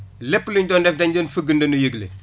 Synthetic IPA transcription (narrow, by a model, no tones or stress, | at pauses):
lɛpːluɲɟɔːndɛfdɐɲɟɔːnfəɡəndɐnujəɡlḛ